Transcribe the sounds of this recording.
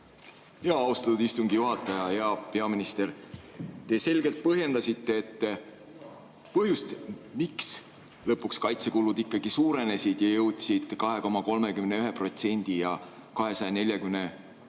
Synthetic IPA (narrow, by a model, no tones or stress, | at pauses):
jeɑɑwst̪ɑt̪ud̪ist̪uŋɡ̥ijuɦɑt̪ːˑɑjɑjɑɑpe̞ɑminist̪e̞ɾ | t̪e̞se̞lɡe̞lt̪̚pɤɦje̞nd̪ɑsʲit̪ːeːt̪ːe | pɤɦjust̪miks | lɤpːˑukskɑjt̪se̞kulud̪ikːɑɡ̥isuːɾe̞ne̞sʲid̪̥jɑjɤwt̪sid̪̥kɑɦe̞ko̞mɑko̞lme̞kymne̞yɦe̞pro̞t̪se̞nʲd̪̥ijɑ | kɑɦe̞sɑjɑne̞lʲjɑkymne̞